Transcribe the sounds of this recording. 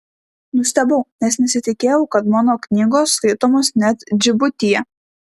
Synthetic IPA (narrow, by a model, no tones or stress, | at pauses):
nʊsʲt̪ʲɛbɐʊnʲɛsnʲɛsʲɪt̪ʲɪkʲeːjɛʊkɐt̪mɑːnoːknʲiːɡoːsːkɐɪt̪oːmoːsnʲɛt̪d͡ʒʲɪbʊt̪ʲɪjɛ